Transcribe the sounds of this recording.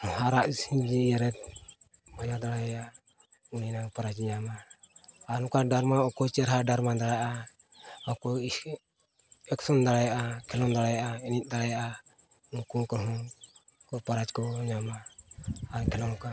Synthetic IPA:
haɾaʔsiɲd͡ʒijɛɾɛt̪̚ | majad̪aɽajja | uninapaɾad͡ʒɲamaː | nɔkaɖaɾmaɔkɔt͡ʃɛɾɦaɖaɾmad̪aɽajʔa | ɔkɔi | ɛksɔnd̪aɽajaʔakʰɛlɔnd̪aɽajaʔainit̪̚ˀd̪aɽajaʔa | uŋkuŋkɔɦɔ | kɔpaɾad͡ʒkɔɲamaː | ɾkʰɛlɔŋka

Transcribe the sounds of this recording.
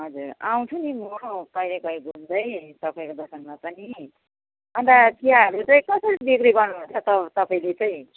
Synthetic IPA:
ɦʌd͡zuraw̃t͡sʰunimoɽopʌjlekʌjɡʱund̪ʌjt̪ʌpaĩkod̪ʌsʌnmapʌni | ʌnt̪at̪iɦaɦʌɾut͡sʌĩkʌsʌɾibikɾiɡʌrnuɦunt͡sʰʌt̪ʌt̪ʌpaĩlet͡saj̃

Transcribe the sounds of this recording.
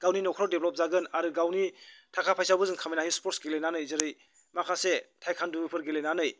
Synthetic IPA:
ɡ̥awninɔkʰɾɔwdeblɔp̚zaɡɯnaɾɯɡawnitʰakʰapʰajsawbɯzɯŋkʰamijnaɦispɔɾtsɡelenanɯjzɯɾɯj | makʰasetʰajkʰandubipʰɯɾɡelenanɯj

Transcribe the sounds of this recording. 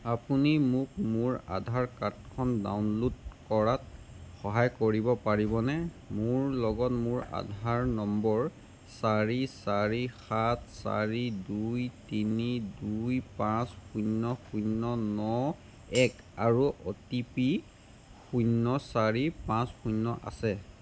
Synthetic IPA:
apunimʊkmʊɹa̰dʱaɹkat̚kʰɔnda̰wnludkɔɹat̚ | xɔɦajkoɹibɔpaɹibɔnɛ | mʊɹlɔɡɔtmʊɹa̰dʱaɹnɔmbɔɹ | saɹisaɹixatʰsa̰ɹidujtinidujpãsxunːɔxunːɔnɔ | ɛk | aɹuʔɔtipi | xujnːɔsaɹipãsxujnːɔʔa̰sɛ

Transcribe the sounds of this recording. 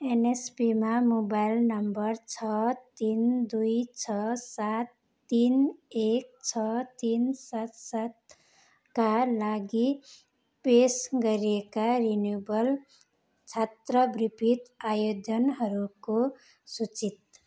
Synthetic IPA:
enespimamobajlnʌmbʌrt͡sʰʌt̪ind̪ujt͡sʰʌsat̪ː | inek̚t͡sʰʌt̪insat̪sat̪ | kalaɡi | pesɡʌɾiekaɾinjobʌl | t͡sʰat̪ɾʌbripʰit̪ajod̪ʌnɦʌɾuko | sut͡sit̪̚

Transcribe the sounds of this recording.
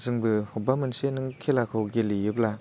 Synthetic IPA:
zɯŋbɯhubamɯnsenɯŋkʰelakʰowɡelijɯpla

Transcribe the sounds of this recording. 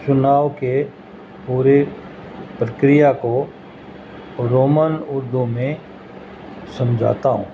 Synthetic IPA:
t͡ʃʊnaːʋke | puːɾe | pɾəkɾɪjako | ɾoːmənʊɾd̪umẽ | sɐ̃md͡ʒʱa̰ːt̪aɦṵ̃ː

